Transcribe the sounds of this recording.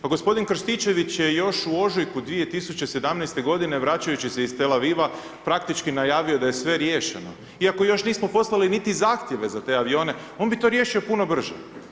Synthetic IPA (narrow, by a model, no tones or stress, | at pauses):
paɡo̞spo̞d̪inkr̩st̪it͡ʃe̞ʋit͡ɕje̞jo̞ʃuo̞ʒujkud̪ʋie̞t̪isut͡ɕe̞se̞d̪amnɛjst̪e̞ɡo̞d̪ine̞ʋɾat͡ɕajut͡ɕise̞ist̪e̞laʋiʋa | pɾak̚t̪it͡ʃkinajaːʋio̞d̪aje̞sʋe̞ɾjeːʃḛno̞̰ | iako̞jo̞ʃniːsmo̞po̞slˠalinit̪izaːxt̪je̞ʋe̞zat̪e̞ːaʋio̞ːne̞ | o̞nbit̪o̞ɾjeːʃio̞puno̞br̩ʒḛ